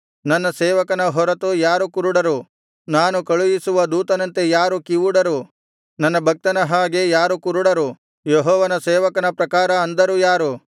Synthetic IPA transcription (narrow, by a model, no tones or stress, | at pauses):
nɐnːɐsɛːʋɐkɐnɐɦɔɾɐt̪ujaːɾukuɾuɽɐɾu | naːnukɐɭujisuʋɐd̪uːt̪ɐnɐnt̪e̞jaːɾukiʋuɽɐɾu | nɐnːɐbʱɐk̚t̪ɐnɐɦaːɡe̞jaːɾukuɾuɽɐɾu | jeɦɔːʋɐnɐsɛːʋɐkɐnɐpɾɐkaːɾɐːnd̪ɐɾujaːɾu